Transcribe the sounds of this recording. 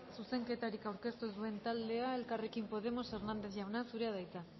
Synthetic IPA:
suse̞ŋke̞t̪aɾikawɾke̞st̪ozðue̞nt̪ald̪e̞aelkarekimpo̞ð̞e̞mo̞se̞ɾnand̪eθʝawnasuɾeað̞ajt͡s̪a

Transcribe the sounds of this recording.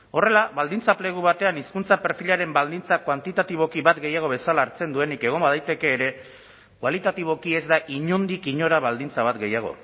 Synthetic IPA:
o̞re̞laβald̪int͡saple̞ɣ̞uβat̪e̞aniskunt͡sape̞ɾfiʎaɾe̞mbald̪int͡sakwant̪it̪at̪iβ̞o̞kiβat̪ɡe̞jaɣ̞o̞βe̞salaːɾt͡se̞nd̪ue̞nike̞ɣ̞o̞mbaðajt̪e̞ke̞ːɾe̞ | kwalit̪at̪iβ̞o̞kie̞zd̪aʔiɲond̪ikiɲo̞ɾaβald̪int͡saβat̪ɡe̞jaɣ̞o̞̰

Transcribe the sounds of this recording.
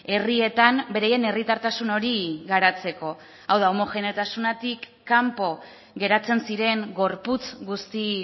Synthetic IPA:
e̞rie̞t̪ambe̞ɾajene̞rit̪aɾt̪asuno̞ɾiɣaɾat͡se̞ko̞ | awðaomo̞xe̞nt̪asunat̪ikːampo̞ | ɣe̞ɾat͡se̞nsiɾe̞ŋɡo̞ɾput͡sɡust̪i

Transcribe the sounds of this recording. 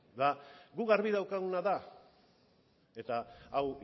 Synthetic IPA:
ðaɡuɣaɾβiðawkaɣunaða | e̞t̪aaw

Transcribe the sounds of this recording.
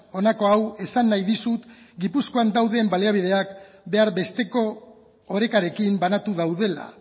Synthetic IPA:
o̞nako̞awe̞sanːajðisut̪ɡipusko̞and̪awðe̞mbaleaβ̞ið̞e̞ak | be̞aɾbe̞st̪e̞ko̞ː | ɾe̞kaɾe̞kimbanat̪uðawð̞e̞la̰

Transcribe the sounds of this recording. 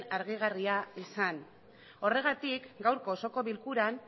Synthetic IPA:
aɾɣ̞iɣ̞ariaisan | o̞re̞ɣ̞at̪ikɡawɾko̞so̞ko̞βilkuɾan

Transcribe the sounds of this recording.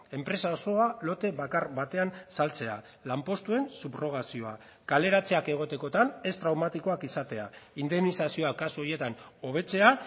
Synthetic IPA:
e̞mpɾe̞sao̞so̞alo̞t̪e̞βakaɾβat̪e̞ansalt͡se̞a | lampo̞st̪ue̞nsupro̞ɣasio̞a̰ | kale̞ɾat͡se̞ake̞ɣ̞o̞t̪e̞ko̞t̪ane̞st̪ɾawmat̪iko̞akisat̪e̞a̰ind̪e̞mnisasio̞akasuo̞ɾje̞t̪ano̞β̞e̞t͡se̞a

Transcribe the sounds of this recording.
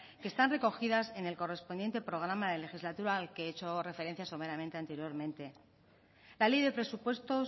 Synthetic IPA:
kest̪anre̞ko̞xiðase̞ne̞lko̞re̞spo̞nd̪je̞nt̪e̞pɾo̞ɣ̞ɾamaðe̞le̞xizlat̪uɾaːlkeet͡ʃo̞re̞fe̞ɾe̞n̟θjasomeɾamẽ̞nt̪eant̪e̞ɾjo̞ɾmẽ̞nt̪e̞ | lale̞jðe̞pɾe̞supwe̞st̪o̞

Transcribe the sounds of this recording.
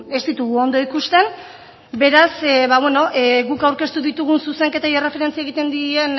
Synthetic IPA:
e̞st̪it̪uɣuo̞nd̪o̞ikust̪e̞n | be̞ɾasβaβweno̞ʔeɣukawɾke̞st̪uðit̪uɣunsuse̞ŋke̞t̪ajere̞fe̞ɾent͡sieɣit̪e̞nd̪ien

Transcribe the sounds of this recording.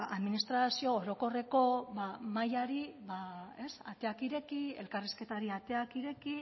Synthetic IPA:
aðminist̪ɾasio̞ːɾo̞ko̞re̞ko̞βamajaɾiβae̞sa̰t̪e̞akiɾe̞kie̞̰lkariske̞t̪aɾiat̪e̞akiɾe̞ki

